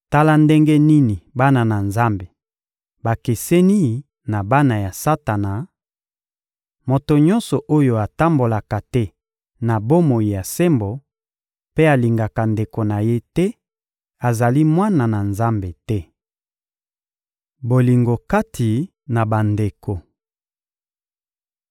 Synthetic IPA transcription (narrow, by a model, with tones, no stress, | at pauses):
ta˦la˦nde˦ŋɡɛ˦ni˦ni˨ba˦na˨na˨nza˦mbe˨ | ba˨ke˨sɛ˦ni˦ | na˨ba˦na˨ja˨sa˦ta˨na˨ | mo˨to˨ɲɔ̃˦nsɔ˨ʔo˦jo˦a˨ta˦mbo˨la˨ka˨tɛ˦ | na˨bo˦mo˨ji˨ja˨se˦mbo˨ | pe˦a˨li˨ŋɡa˨ka˨nde˨ko˨na˨je˦tɛ˦ | a˨za˨li˦mwa˦na˨na˨nza˦mbe˨tɛ˦ | bo˨li˨ŋɡo˨ka˦tʰi˨ | na˨ba˨nde˨ko˨